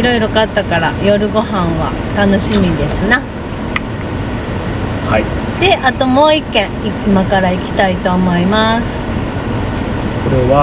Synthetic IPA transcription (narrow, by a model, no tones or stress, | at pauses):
iɾo̞iɾo̞kat̪ːakaɾajo̞ɾɯ̟ɡo̞ɦãɰ̃βa̰t̪ano̞ɕimʲid̪e̞sɨna | hai | d̪̥e̞ʔat̪o̞mo̞ːikːẽ̞ɰiimakaɾaikʲi̥t̪ait̪o̞ːmo̞imasɨ̥ | koɾeβa